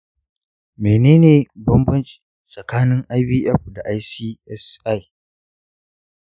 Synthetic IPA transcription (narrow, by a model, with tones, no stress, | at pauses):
meː˨neː˦neː˨bɐ˦mbɐ˦nt͡ʃʼi̥˨ | sʼɐ˨kaː˦nɪ˦ŋʔa˦jbiː˦ʔɛ˦˨ɸda˨ʔa˦jsiː˦ʔɛ˦sʔa˦˨j